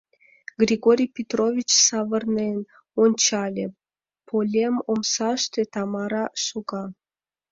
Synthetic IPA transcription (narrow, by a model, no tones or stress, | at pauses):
ɡrʲiɡoɾʲijpʲet̪rovʲit͡ɕsɑvərnen | onʲt͡ɕɑlʲḛ | pʰolʲemomsɑʃt̪et̪ɑmɑɾɑʃuɡɑ